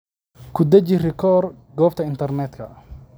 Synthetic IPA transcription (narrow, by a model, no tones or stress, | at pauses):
kʰʊd̪ɐt͡ʃɪrɪkʰɔːr | ɡɔːb̚t̪ʰɐɪnt̪ʰɐrnɛːd̪kʰɐ